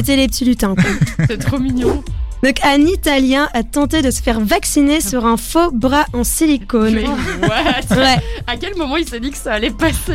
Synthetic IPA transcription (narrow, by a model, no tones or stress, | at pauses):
et̪ɛlepət̪ʰilyt̪ɛ̃kwasɛt̪χomiɲjɔ̃d̪ɔ̃kanit̪aljɛ̃ʔat̪ɑ̃t̪ed̪əsə̥fɛʁvaksinesyʁɛ̃fobʁaʔɑ̃silikonwɛwɛakʲɛlmɔmɑ̃ilsed̪ikə̥saːlɛpase